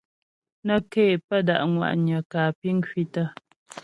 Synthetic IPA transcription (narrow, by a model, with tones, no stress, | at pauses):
nə˦ke˦˨pə˦da˨ʔŋwa̰˨ʔɲə˨kaː˨pi˦ŋ̩˦ki˦tə˦˨